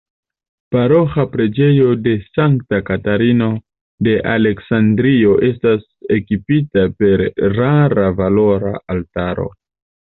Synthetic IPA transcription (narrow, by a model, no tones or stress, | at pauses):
paɾo̞xapɾe̞d͡ʒe̞jo̞de̞saŋktakataɾino̞ | de̞ʔale̞ksandɾio̞ʔe̞stas | e̞kipitape̞ɾɾaɾavalo̞ɾa̰altaɾo̞̰